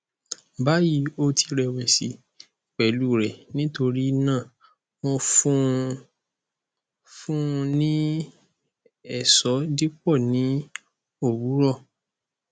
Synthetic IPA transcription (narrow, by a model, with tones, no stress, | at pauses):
ba˦ji˨˦o˧tʰi˧ɾɛ˨wɛ˨si˨˦ | k͡pɛ˨˦lu˦˨ɾɛ˨nĩ˦to˧ɾi˦nãː˦˨ | w̃ɔ̃˧fũ˦ | fũ˦˧nĩ˦ | ɛ˦˨sɔ˨˦di˦k͡pɔ˦˨nĩ˨˦ | o˦˨wu˨˦ɾɔ˦˨